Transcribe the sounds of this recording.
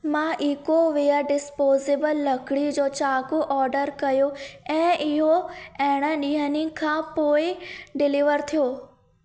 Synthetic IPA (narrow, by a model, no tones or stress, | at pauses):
mãːʔikoʋijəɖɪspoːzɪbəlːɐkɽid͡ʑoːt͡ɕaːkuʔɔːɾɖəɾkɐjoɛ̃ːʔɪɦoɛɦɪɽ̃əɗiːɦənɪ̃kʰãːpoːɪɖɪliʋəɾt̪ʰijoː